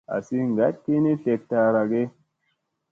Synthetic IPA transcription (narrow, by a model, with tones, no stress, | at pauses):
a̰˨si˦ŋ˨ɡa˦t̚ki˦ni˦te˨k̚ta˨ɾa˨ɡe˦